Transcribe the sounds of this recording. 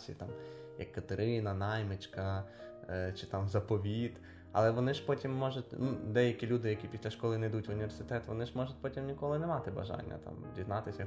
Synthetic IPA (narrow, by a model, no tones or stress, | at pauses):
sʲḭt̪ɑm | jɐkːɐt̪eɾɪnɐnɑjmɪt͡ʃkɐ | t͡ʃɪt̪ɑmzɐpɔʋʲid̪ | ɐ̰lˠɛʋɔnɪʒpɔtʲimːɔʒʊtʲnud̪ɛjɐkʲilʲud̪ɪjɐkʲipʲisʲlʲɐʃkɔlˠɪnɐjd̪utʲʋʊnʲiʋʲersɪt̪ɛt̪ʋɔ̰nɪʒmɔʒʊt̚ʲpɔtʲimnʲikɔlˠɪnɛmɑt̪ɪbɐ̰ʒɑ̰nʲːɐ̰t̪ɑ̰mdʲiznɑt̪ɪsʲjɐ